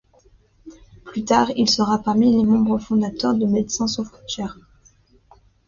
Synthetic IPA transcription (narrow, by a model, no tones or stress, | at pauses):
plyt̪aːʁilsəʁapaʁmilemɑ̃bʁəfɔ̃d̪at̪œʁd̪əmed̪sɛ̃sɔft̪ɛʁ